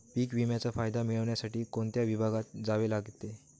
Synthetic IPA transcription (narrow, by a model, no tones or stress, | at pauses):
piːkʋimjat͡safajd̪amiɭəʋɳjasaʈiːkoɳt̪jaʋibʱaɡat̪̚d͡zaʋelaɡt̪ːe